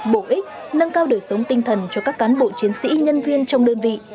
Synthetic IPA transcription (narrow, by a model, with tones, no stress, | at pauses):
ɓo˧˩ʔi˦˥k̚ | nə˧ŋkaː˧wɗɨ˨˩əjsə˨˦wŋ͡mt̪ï˧ŋ̟t̪ʰə˨˩nt͡ɕɔ˧kaː˦˥kːaː˨˦nɓo̰˧˨t͡ɕi˨˦ənsḭ˧˥ɲə˧nvi˧ənt͡ɕɔ˧wŋ͡mɗəː˧nvḭ˧˨